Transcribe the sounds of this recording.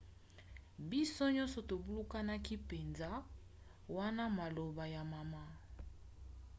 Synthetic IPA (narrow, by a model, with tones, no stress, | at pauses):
bi˦so˦ɲɔ̃˦nsɔ˨to˨bu˦lu˦ka˦na˦ki˦pe˨nza˦ | wa˦na˦ma˨lo˨ba˨ja˨ma˨ma˦